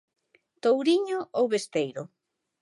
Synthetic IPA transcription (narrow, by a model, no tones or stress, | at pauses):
t̪owɾiɲʊʔowβest̪ejɾʊ